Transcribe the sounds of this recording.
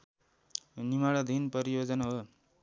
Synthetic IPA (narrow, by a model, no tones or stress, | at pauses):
nimaɽʌd̪ʱinpʌɾijod͡zʌnaɦo